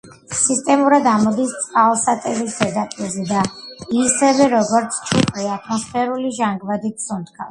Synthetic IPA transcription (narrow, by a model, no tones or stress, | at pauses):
sist̪ʼɛmuɾad̪amɔd̪ist̪sʼqʼalˠsat̪ʼɛɾisɛd̪apʼɛzɛd̪aisɛvɛɾɔɡɔɾt̪sʰt͡ʃʰʼupʼɾiat̪ʰmɔsfɛɾuliʒaŋɡvad̪iksɔnt̪̚ʰkʰas